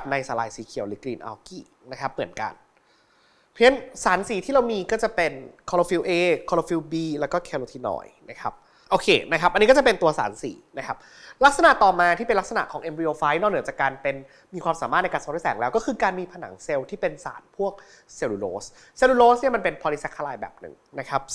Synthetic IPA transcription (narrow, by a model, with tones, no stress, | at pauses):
p̚na˧jsaː˨˦laː˧jsiː˩˦kʰi˨˩˦wlɯː˨˩˦kliː˧nʔa̰ː˧wkiː˧˩ | na˦˥kʰa˦˥p̚mɯ˨˩˦ənka̰˧n | pʰi˧˦˥ənsaː˩˦nsiː˨˦t̪ʰiː˥ɾa˧wmiː˧kɔː˥˩t͡ɕa˨˩pe˧nkʰɔ˧lo˧fi˧˥wʔeː˧kʰɔː˧lo˧fi˧wbiː˧lɛː˦˥wkɔː˥˩kʰɛ˧loː˧t̪ʰiː˧nɔ̰ː˧˩jna˦˥kʰa˦˥p̚ | ʔoː˧kʰeː˧na˦˥kʰa˦˥pʔa˧niː˦kɔ˥˩t͡ɕa˨˩pe˧nt̪u˧ɐsa̰ː˩˦nsḭː˩˦na˦˥kʰa˦˥p̚ | la˦˥k̚sa˧na˨˩ʔt̪ɔː˨˩maː˧t̪ʰiː˥˩pe˧nla˥ksa˧na̰˨˩ʔkʰɔː˩˦ŋʔe˧mɾi˧ʔoː˧faː˦˥jnɔː˥˩nɯ˩˦t͡ɕa˨˩kːaː˧npe˧n | miː˧kwaː˧msaː˩˦ma˥˩n˧jkaː˧nso˧ŋɾu˥˩sɛ̰ː˨˩˦ŋlɛː˦˥wkɔː˥˩kʰɯː˧kaː˧nmiː˧pʰa˧na̰˩˦ŋse˧wt̪ʰiː˥˩pe˧nsa̰ː˩˦npʰu˥˩ək̚ | se˧wluː˧lo̰ː˦˥s | seː˧luː˧loː˦˥sni˥˩ma˧npe˧npʰɔː˧li˦˥sɛ˦˥kʰːa˧laː˧jbɛ̰ː˨˩p̚nɯ̰˨˩ŋna˦˥kʰa˦˥p̚